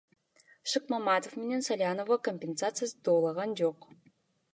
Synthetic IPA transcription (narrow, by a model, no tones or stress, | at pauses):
ʃɨq̚mamat̪ofmenensɐlʲanovəkomʲpʲensat̪sɨjəsd̪oːlˠɑʁɑnd͡ʒoq